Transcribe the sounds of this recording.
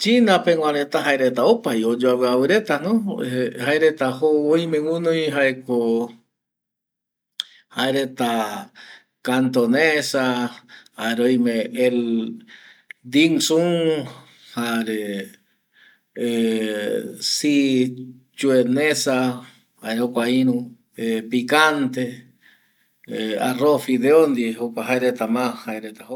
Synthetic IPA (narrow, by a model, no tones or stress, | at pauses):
t͡ʃinãpeŋwʷãɾet̪aɦaeɾet̪aopajod͡ʒoaweawɨɾet̪anõehaeɾet̪ahoojmewũnõjɦaeko | haeɾet̪a | kant̪onesahaeɾojmẽel | d̪iŋsuŋ | haɾe | e | si | t͡ʃuenesa | haɾeokʷainũ | epikant̪e | ea̰rofid̪eond̪iokaɦajɾet̪amahaɾet̪aho